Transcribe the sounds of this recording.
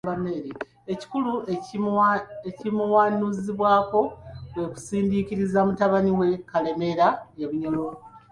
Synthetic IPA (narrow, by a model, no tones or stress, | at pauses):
bameɾe | eci̥kulue | ecimuwaːnuziβwaːko̞βwe̞ku̥siːndikiɾizamutaβaniwe̞kale̞me̞ɾaeβuɲolo